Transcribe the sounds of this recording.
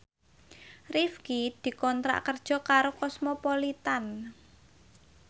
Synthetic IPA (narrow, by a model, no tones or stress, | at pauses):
rifkid̪̥i̤kɔnt̪ɾa̰ʔkərd̥ʒ̥ɔ̤kaɾokɔsmɔpɔlit̪an